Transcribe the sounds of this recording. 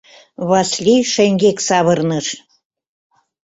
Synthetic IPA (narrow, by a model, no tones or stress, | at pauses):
βɑslʲijʃĕŋɡʲeksɑβɤrnɤʃ